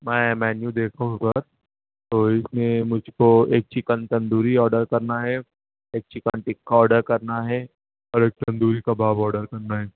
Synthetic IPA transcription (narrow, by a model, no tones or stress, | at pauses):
mɛ̃mɛːnjud̪eːkʰaɦũkɐɾ | t̪oːɪsmẽmʊd͡ʒʱkoeːk̚t͡ʃikə̃nt̪ɐ̃nd̪uːɾiɔːɾɖəɾkɐɾnaɦɛ | eːk̚t͡ʃʰɪkənʈɪkːaɔːɾɖəɾkɐɾnaɦɛ | ɔːɾeːk̚t̪ɐ̃nd̪uːɾikabʱaːbɔːɾɖəɾkɐɾnaɦɛː